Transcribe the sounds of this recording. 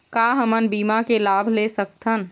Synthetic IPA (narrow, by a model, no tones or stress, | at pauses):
kaɦəmənbiːmakelaːbʱlesək̚t̪ʰən